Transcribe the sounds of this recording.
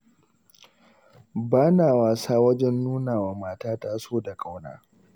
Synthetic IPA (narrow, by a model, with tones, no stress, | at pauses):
baː˦naː˨waː˨saː˦wɐ˦d͡ʒɛ˦nːuː˦naː˨waː˨maː˦taː˦taː˦soː˦da˨kʼa˦wna̰ː˦